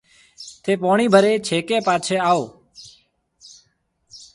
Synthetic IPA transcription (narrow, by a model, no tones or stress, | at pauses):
t̪ʰeːpoːɳ̃iːbʱəɾeːt͡ʃʰeːkeːpaːt͡ʃʰeːaːoː